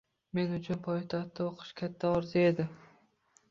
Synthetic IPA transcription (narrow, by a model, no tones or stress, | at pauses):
me̞nʊt͡ʃʰʊnpʰɒjt̪ʰaχt̪ːaoqʰɨ̥ʃkʲʰat̪ʰːaɒɾzɪe̞d̪ɪ